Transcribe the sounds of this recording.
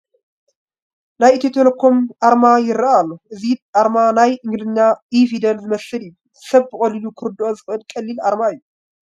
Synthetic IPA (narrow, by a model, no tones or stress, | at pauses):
najɨt̪ʰit̪ʰelokʰo̞mʔaɾmajɪraʔalːoʔɨziʔaɾmanajʔɨŋɡlɨɲːaifid̪ɐnzɨmɐsɨlijuu | sɐβbɨkʼɐlilukʰɨɾd̪o̞zɨxʔɨlkʼɐlːilʔaɾmaɨjːu